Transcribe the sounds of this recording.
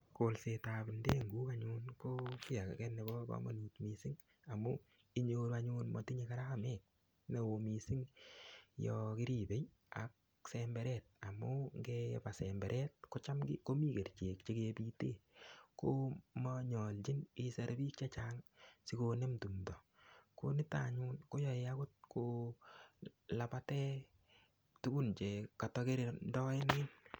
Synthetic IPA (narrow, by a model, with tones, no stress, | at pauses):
kolse˨ta˨bi˨ndeː˦ŋɡuː˦ka˦ɲu˦nko˦kɪ˦ja˨kkɛ˦ne˨bɔ˦bɔ̰mo̰˨nitmi˨si˦ŋ | a˨mu˦ | i˦ɲoː˦ɾaɲunmɔ˨ti˦ɲe˧ka˦ɾa˦mɛ˦k̚ | ne˨o˨mi˨sɪ˦ŋ | jɔ˧kɪ˦ɾi˨be˨j | a̰˨k̚ | sɛmbɛ˦ɾɛt̚a˨mʊ˦ŋɡɛpa˨sɛmbɛ˨ɾʔɛ˦t̚ko˦t͡ʃa˦mɡɪ˦ko˦mi˦ke˨ɾt͡ʃe˨kt͡ʃe˦ke˧piːte˦˨ko˦mɔɲɔ˨lt͡ʃi˦nɪ˦sa˨ɾbiː˦k̚t͡ʃa˦t͡ʃaːŋsi˨kone˦mtu˨mdɔ˨konɪ˦ta̰˨ɲu˦nko˦jɔ˨ɪa˦kʊ˦t̚kʰo | la˨pa˦tɛ˦ | tu˦ɡu˦nt͡ʃe˨ka˨tɔ˧ke˦ɾe˨ndɔ˦ɪ˦nɪ˦n